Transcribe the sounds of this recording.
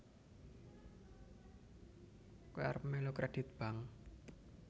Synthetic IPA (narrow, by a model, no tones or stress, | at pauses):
koa̰ɾpmelokɾeɖ̥ɪt̪̚b̥a̤ŋ